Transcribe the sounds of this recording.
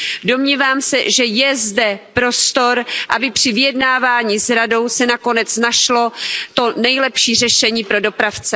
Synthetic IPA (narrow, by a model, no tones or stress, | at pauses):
do̞mɲiːvaːmsɛ̰ʒɛjɛzdɛpɾo̞st̪o̞ɾʔabɪpr̝̥ɪvɪjɛdnaːvaːɲiːsɾado̞wsɛnako̞nɛt͡snaʃlo̞t̪o̞nɛjlɛpʃiːr̝ɛʃɛɲiːpɾo̞dopɾaft͡sɛ